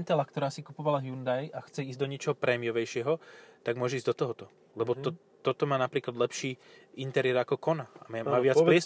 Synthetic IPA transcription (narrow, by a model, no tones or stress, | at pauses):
nt̪ɛlakt̪ɔɾaːsikupɔʋalaɦjund̪ajaxt͡sɛiːz̚d̪ɔɲɪɛt͡ʃɔɦɔpɾʔɛmiɔʋɛjʃɪɛɦɔt̪aɡmʊɔʒɛiːzd̪ɔt̪ɔɦɔt̪ɔ | lɛbɔt̪ɔ | t̪ːɔt̪ɔmaːnapɾiːklad̪lɛpʃiːint̪ɛɾɪɛɾakɔkɔnaamaaːʋɪalɪɛs